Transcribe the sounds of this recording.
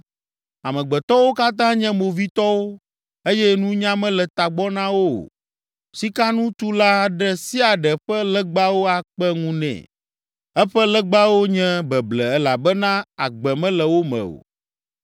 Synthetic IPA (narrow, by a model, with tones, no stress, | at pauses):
a˨mɛ̃˨ɡ͡bɛ˨t̪ɔ˦wo˦ka˦t̪ã˦ɲɛ̃˦mo˨vi˦t̪ɔ˦wo˦ | e˦jɛ˦nũ˦ɲã˦mɛ̃˦lɛ˨t̪a˨ɡ͡bɔ˦nã˦wo̰˦˨ | si˦ka˦nũ˦t̪u˦la˦ɖɛ˦si˦a˨ɖɛ˨ɸɛ˦lɛ˦ɡ͡ba˦wo˦a˨k͡pɛ˦ŋũ˦nɛ̰̃˨ | ɛ˦ɸɛ˦lɛ˦ɡ͡ba˦wo˦ɲɛ̃˦bɛ˨blɛ˨ɛ˦la˨bɛ˦nã˦a̰˨ɡ͡bɛ˨mɛ̃˦lɛ˨wo˦mɛ̰̃˨o̰˨